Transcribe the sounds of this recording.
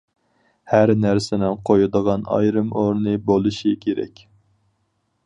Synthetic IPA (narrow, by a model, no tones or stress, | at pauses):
hæɾnæɾsɪnɪnqʰojud̪əʁɑnɑ̰jɾɨmoɾnɨbolˠɨʃikʲʰeɾɛ̰kʲ